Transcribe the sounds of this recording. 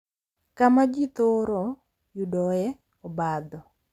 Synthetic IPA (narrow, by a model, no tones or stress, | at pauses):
kamad͡ʒit̪oɾɔ | judɔɛ | ɔbad̪ɔ